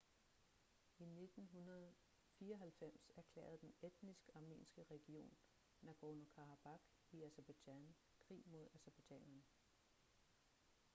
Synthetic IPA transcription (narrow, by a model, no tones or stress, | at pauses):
ine̝d̥n̩ɦunɐð̩ˠ | fiːɐɒɦælfem̰sæɐkʰlḛːɐð̩ˠd̥ened̥nisɡ̥ɑ̈mḛːnsɡ̥əʁɛɡ̥io̝̰ːnː | æɡ̥onokʰɑ̈ʁɑ̈b̥ɑ̈ɡ̥ | iæseb̥æd̥æn | kʰʁḭːmo̝ð̞ˠæseb̥æ̥ɛ̰nɐn